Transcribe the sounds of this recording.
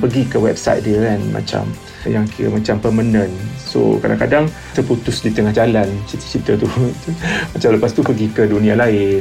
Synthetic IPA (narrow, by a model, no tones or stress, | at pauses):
pəɡikəwɛ̰p̚sa̰jt̪̚diəanma̰t͡ʃa̰m | jaŋkiɾa̰mat͡ʃampərmənə̃nso̰kada̰ŋkadaŋ | t̪ərput̪ʊsdit̪əŋahɦd͡ʒalant͡ʃit̪t͡ʃit̪ət̪u | mat͡ʃamləpast̪upəɡikədunĩalaɪnn